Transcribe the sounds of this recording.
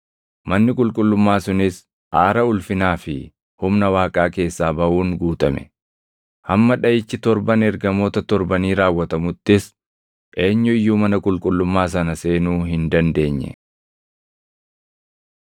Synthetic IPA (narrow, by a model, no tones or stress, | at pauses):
mɐnːɪkʼʊlkʼʊlːʊmːaːsʊnɪs | ʔaːɾɐʊlfɪnaːfɪ | hʊmnɐwaːkʼaːke̞ːsːaːbɐʔuːŋɡuːt̪ʼɐ̰mɛ̰ | hɐmːɐᶑɐjɪt͡ʃːɪt̪ɔɾbɐnɛɾɡɐmo̞ːt̪ɐt̪ɔɾbɐniːɾaːwːɐt̪ɐmʊt̪ːɪs | ʔe̞ːɲːʊɪjːuːmɐnɐkʼʊlkʼʊlːʊmːaːs̬ɐnɐse̞ːnuːɦɪnd̪ɐnd̪e̞ːɲːɛ̰